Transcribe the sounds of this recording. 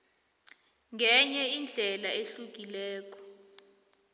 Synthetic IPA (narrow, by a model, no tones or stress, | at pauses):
ŋɡʱɛɲɛind͡ɮʱɛlaeɬuk̬ʼilɛːk̬ʼɔ̥